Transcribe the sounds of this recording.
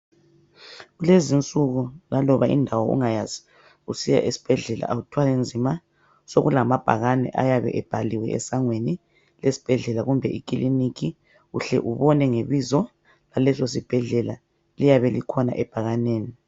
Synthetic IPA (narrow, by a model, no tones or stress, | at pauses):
ɣulezint͡sʼuɣulalɔβaʔḭndʱawɔṵŋajazi̥ | usija̰ʔisi̥b̥ʱɛɮɛlʔa̰ʔautʰwalend͡zʱima | soɣulamab̥ʱaɣanɛ̰ʔajaβɛ̰ʔɛb̥ʱaliwɛ̰ɛ̰saŋweni | lesi̥b̥ʱɛɮɛlaɣumbʱɛʔikʼiliniki | ɣṵɬɛ̰ʔuβɔnɛŋeβizɔ | lalɛsos̬ib̥ʱɛɮɛla | lijaβɛlikʰɔna̰ʔɛb̥ʱaɣaneːni